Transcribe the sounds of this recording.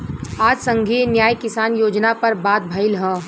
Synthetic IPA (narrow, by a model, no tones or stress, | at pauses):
aːd͡ʒsə̃ŋɡʱienjaːjkɪsaːnjoːd͡ʒnapɐɾbaːt̪̚bʱɐɪlɦɛː